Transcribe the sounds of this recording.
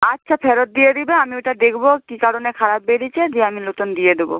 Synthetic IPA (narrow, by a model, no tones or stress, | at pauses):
atːʃʰafʰeɾot̪̚d̪ijed̪ibeamieʈad̪ekʰbokikaɾonekʰaɾab̚ːeɽit͡ɕʰed͡ʑeamilotond̪ijed̪ebo̰